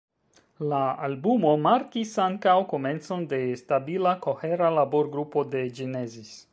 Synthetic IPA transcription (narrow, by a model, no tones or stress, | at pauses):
laːlbumo̞maɾkisaŋkawko̞me̞nt͡so̞nde̞stabilako̞he̞ɾalaboɾɡɾupo̞de̞d͡ʒine̞zis